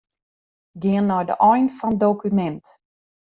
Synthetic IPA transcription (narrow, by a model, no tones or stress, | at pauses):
ɡɪənːɔjdə̰ʔɔjnfɔnədowkymɛnt